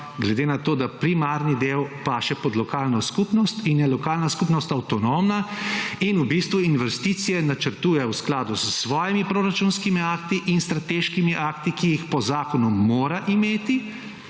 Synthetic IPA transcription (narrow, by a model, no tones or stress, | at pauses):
ɡlɛd̪eːnat̪oːd̪apɾimaːɾnid̪eːwpaːʃɛpɔd̪lɔkaːlnɔskupnɔst̪injɛlɔkaːlnaskupnɔst̪awt̪ɔnomnainubist̪ʋuinʋɛst̪it̪sijɛnat͡ʃəɾt̪uːjɛwsklaːd̪uzəsʋɔːjimipɾoːɾat͡ʃunskimiaːkt̪iʔinst̪ɾat̪eːʃkimiʔaːkt̪ikijixpɔzaːkɔnuːoːɾaʔimeːt̪i